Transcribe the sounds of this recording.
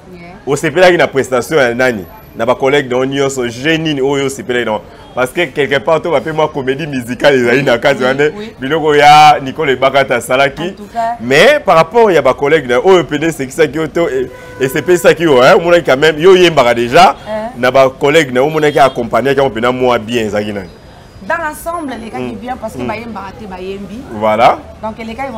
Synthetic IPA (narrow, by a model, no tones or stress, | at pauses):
osepelakinapʁestasjɔ̃jananḭ | nabakolɛɡnaɔniɔ̃sɔʒeniniojjoosepelakinaɔ | paʁskekɛlkɛpaʁtobapemwakomedimyzikalezalinakat̬iwandɛbilɔkɔjanikoloebakatasalakimɛpaʁapɔʁjabakolɛɡnaojopenɛseki̥sak̬ijotoe | esepesisakioɛomɔnak̬ikãmɛmjojembakadeʒanabakolɛɡnaomɔnak̬iakɔ̃paɲiakĩopenamabjɛ̃ezakinani | dããsɑ̃blelekakibjɛ̃paskeajembakatɛbajembivwaladɔ̃kelekai